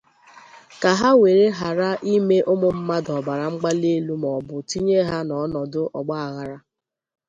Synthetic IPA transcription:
ka˨ɦa˦we˨ɾe˦ɦa˨ɾa˦ʔi˦me˦ʔʊ˦mʊ˨m̩˦ma˦dɔ˨ba˨ɾa˨ŋ͡m̩˦ɡ͡ba˦le˦lu˦mɔ˨bʊ˨ti˦ɲe˦ɦa˦nɔ˨˦nɔ˨dʊ˦ʔɔ̰˨ɡ͡ba˦a˨ɣa˨ɾa˦

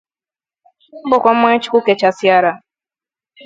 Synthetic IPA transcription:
m̩˦bʊ˨kʷa˨m̩˦me˦t͡ʃi̥˦kʷu˦ke˨t͡ʃa˨sɪ˦a˦ɾa˨

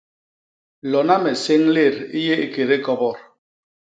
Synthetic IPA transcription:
lɔ˨na˦mɛ˨se˦ŋle˦˨ɾi˦je˦e˨ke˨ɾe˦kɔ˦bɔ˦˨ɾ

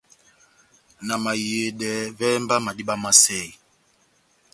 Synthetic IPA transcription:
na˨ma˨je˨ɗɛ˨˦vɛ˦mba˦ma˨di˦ɓa˦ma˦sɛ˦˨i˨

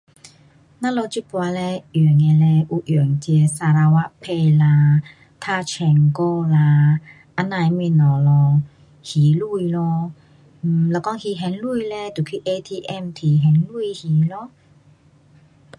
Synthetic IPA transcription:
nã˧˥lɔ˧t͡ɕi˦pwa˧lɛ˧˨˩əŋɛ˧lɛ˧ʔu˧ʔy˨˩ŋt͡ɕɛ˧sa˧ɾa˧wa˦˥ʔpʰe˧˨la˧ | t̪ʰa˧t͡ɕʰɛ˨˩ŋko˧˨la˧ | ʔa˧nã˧˨jmĩ˧˨nɔ˨˩lɔ˧ | hi˨˩lu˥˧˨jlɔ˧˨˩ | la˧˩kɔ˧˦ŋhi˧ɦɛ˨˦nlu˧˨jlɛ˧˦t̪u˨˩kʰi˧˦ʔe˧t̪ʰi˧ʔɛ˧˨mt̪ʰi˧˩ɦɛ˨˦nlu˥˧˨hi˧˦lɔ˧˦

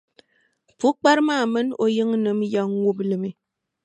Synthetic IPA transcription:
fu˦k͡pa˦ɾma˦˨mə˦no˦jɨ˦ŋ˦nɨ˨m̩˦ja˦ŋ˦wu˦plɨ˨me˨

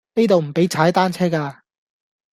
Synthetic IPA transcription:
ne˥t̪o˨wm̩˨˩pe˨˥jt͡sʰaː˨˥jt̪aː˥nt͡sʰɛː˥kaː˧

